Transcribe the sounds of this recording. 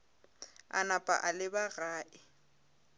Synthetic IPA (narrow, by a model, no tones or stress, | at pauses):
a̰napʼa̰ʔalɪbaɣaːʔɪ